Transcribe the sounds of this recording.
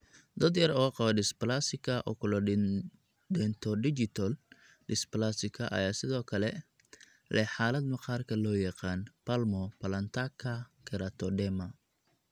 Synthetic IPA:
d̪ɐd̪jɐɾɔqɑβɐdɪsplasɪkʰɐʔɔ̰kʰʊlɔ | dɛnt̪ʰɔɖɪt͡ʃɪt̪ʰɐl | dɪsplasɪkʰɐʔɐ̰jaːsɪðɔːkʰɐlɛ | lʔɛħaːlɐd̪mɐqɑːrkʰɐlɔːjɑqɑːnpɐlmɔpɐlɐnt̪ʰakʰɐkʰɛɾɐt̪ʰɔɖɛmɐ

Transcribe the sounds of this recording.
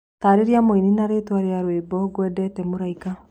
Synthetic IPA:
taːɾeɾeamoininaɾetwaɾeaɾweːbɔɡwɛːdɛtɛmoɾaika

